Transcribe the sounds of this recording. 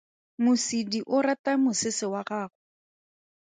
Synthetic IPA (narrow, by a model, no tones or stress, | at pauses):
mʊsidiʔʊɾatamʊsɪsɪwaɣaːɣʊ